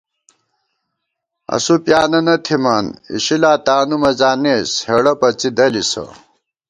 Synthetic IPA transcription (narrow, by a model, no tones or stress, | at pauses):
ɐ̰supjaːnɐnɐt̪ʰimɐnḭɕilaːt̪aːnumɐzaːneːsheɽɐpɐt͡sid̪ɐlisɐ̰